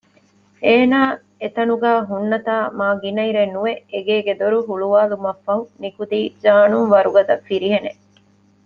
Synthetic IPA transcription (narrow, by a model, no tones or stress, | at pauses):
eːnaː | et̪ɐnuɡæːɦunːɐt̪aːmaːɡinɐiɾenːuʋeeɡeːɡed̪oɾuɦuɭuʋaːlumɐfːɐɦunikud̪iːd͡ʒaːnuŋʋɐɾuɡɐd̪ɐfːiɾiɦene